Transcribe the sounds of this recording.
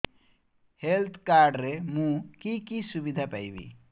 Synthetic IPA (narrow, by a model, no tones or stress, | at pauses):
helt̪ʰkaɾɖɾemũkikisubid̪ʱapajbḭ